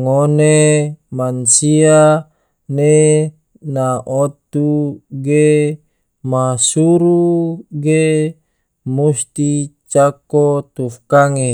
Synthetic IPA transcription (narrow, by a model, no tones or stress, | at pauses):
ŋonemansia | ne | naʔot̪uɡe | masuɾuɡe | must̪it͡ʃakot̪ufkaŋe